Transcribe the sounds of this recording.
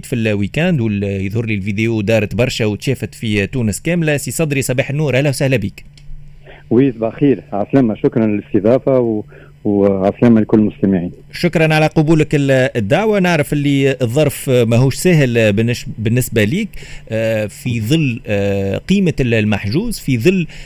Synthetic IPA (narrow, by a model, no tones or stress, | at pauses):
t̪filwiːkænd̪wɪjəðˤhʊɾlilvid̪eud̪ɑːɾˤɑt̪bɑɾˤʃæwt̪ʃɛːfɪt̪fit̪uːnəskæːmlæsisˤɑd̪ɾisˤɑbɑːħɪnːuːɾʔæhlæːwsæhlæbiːk | wiːsbaxiːɾʕaslɪmæʃʊkɾˤɑnlɪlɪst̪əðˤɑːfaw | wʕasləmælkʊlːmʊst̪æmɪʕiːn | ʃʊkɾˤɑnʕalæqʊbuːləkɪɪd̪ːaʕwanaʕɾəfʔɪlːiðˤːɑɾˤfmæɦuːʃsæːɦɪlbbɪnːɪsbæliːkː | fiðˤɨlːqiːmalmaħʒuːzfiðˤɨlː